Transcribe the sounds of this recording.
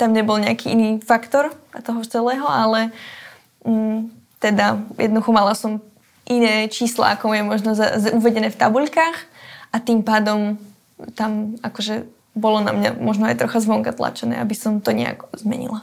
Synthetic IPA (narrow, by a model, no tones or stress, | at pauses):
t̪amɲɛbɔlɲɛakiːiniːfakt̪ɔɾt̪ɔɦɔt͡sɛlɛːɦɔalɛ | t̪ɛd̪ajɛd̪nd̪uxɔmalasɔm | ʔinɛːt͡ʃiːsla̰akɔmujɛmɔʒnɔzauʋɛɟɛnɛːft̪abuʎkaːxʔat̪impaːd̪ɔm | t̪amakɔʒɛ | bɔlɔna̰mɲa̰mɔʒnɔajt̪ɾɔxazʋɔŋkat̪la̰t͡ʃɛnɛ̰ːabisɔmt̪ɔɲɛ̰a̰kzmɛ̰ɲḭla